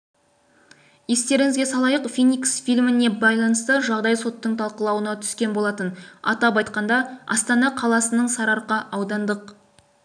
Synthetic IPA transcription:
je̞st̪e̞ɾɪŋɪzɡʲe̞sɑlˠɑjəqfʲijniksfʲijlʲmɪne̞bɑjlˠɑnəst̪əʒɑʁd̪ɑjso̞t̪ːəɴt̪ʰɑlˠqəlˠɑwənɑt̪ʰʏ̥skʲe̞nbo̞lˠɑt̪ənɑ̰t̪ɑpɑjt̪qɑnd̪ɑɑ̰st̪ɑnɑqʰɑlˠɑsənəɴsɑɾɑɾqɑʔɑwd̪ɑnd̪əq

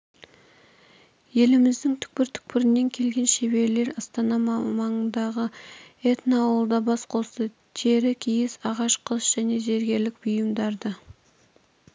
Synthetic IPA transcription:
je̞lɪmɪzd̪ɪŋt̪ʰʏ̥k̚pɪɾt̪ʰʏ̥k̚pɪɾɪnːe̞ŋkʲʰe̞lɡʲe̞nʃebe̞ɾle̞ɾɑst̪ɑnɑmɑɴənd̪ɑʁəet̪noːwəlˠd̪ɑbɑsqʰo̞st̪ə | t̪ʰe̞ɾɪkʲʰijɪsɑʁɑʃqʰəsʒ̥æne̞ʒe̞ɾɡʲe̞ɾlɪk̚bʊjəmd̪ɑɾd̪ə

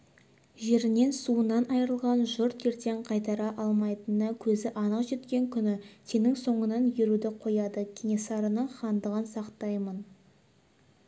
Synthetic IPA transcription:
ʒe̞ɾɪne̞nsuənɑnɑjəɾəlˠʁɑnʒʊɾt̪e̞ɾt̪e̞ɴqʰɑjt̪ɑɾɑʔɑlˠmɑjt̪ənəkʲʰɵzɪʔɑnəqʒe̞t̪kʲe̞ŋkʲʰʏnɪse̞nɪŋso̞ɴənɑnjeɾud̪ɪqʰo̞jɑd̪əkʲʰenʲesɑɾənəɴχɑnd̪əʁənsɑqt̪ɑjmən

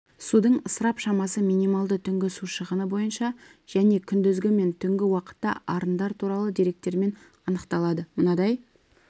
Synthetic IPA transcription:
sud̪əɴəsəɾɑpʃɑmɑsəmijnijmɑlˠd̪ət̪ʰʏŋɡʲɪsuʃəʁənəbo̞jənʃɑʒ̥æne̞kʲʰʏnd̪ʏzɡʲɪme̞nt̪ʰʏŋɡʲɪwɑqə̥t̪ːɑ̰ʔɑɾənd̪ɑɾt̪ʰuɾɑlˠəd̪iɾe̞k̚t̪e̞ɾme̞n | ɑnəqt̪ɑlˠɑd̪əmənɑd̪ɑj

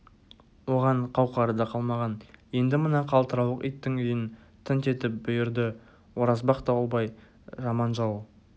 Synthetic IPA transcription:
wo̞ʁɑɴqʰɑwqɑɾəd̪ɑqʰɑlˠmɑʁɑnje̞nd̪ɪmənɑqʰɑlˠt̪əɾɑwlˠəqḭjt̪ːɪŋʏjɪn | t̪ʰɪnt̪e̞t̪ɪp̚bʊjɪɾd̪ɪ | wo̞ɾɑzbɑqt̪ɑlˠbɑj | ʒɑmɑnʒɑw

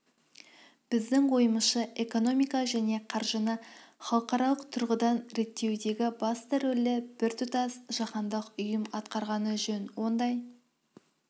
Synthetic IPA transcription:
b̥ɪzd̪ɪŋwo̞jəməsʃəʔe̞ko̞no̞mijkɑʒæne̞qʰɑɾʒənəχɑlˠəqɑɾɑlˠəqt̪ʰʊɾʁəd̪ɑnɾe̞t̪ːe̞wd̪e̞ɡʲɪbɑst̪ɑɾɵlɪb̥ɪɾt̪ʰʊt̪ɑsʒɑqɑnd̪əqʊjəmɑt̪qɑɾʁɑnəʒɵnwo̞nd̪ɑj

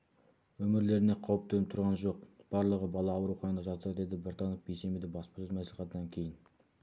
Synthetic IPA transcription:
wɵmɪɾle̞ɾɪne̞qʰɑwəp̚t̪enɪp̚t̪ʰʊɾʁɑnʒo̞qb̥ɑɾlˠəʁəbɑlˠɑːwɾuχɑjɑnd̪ɑʒɑt̪əɾɑd̪e̞d̪ɪbɪɾt̪ɑnofbejse̞med̪ebɑspɑsɵzmæsliχɑt̪ənɑŋkʲʰe̞jɪn

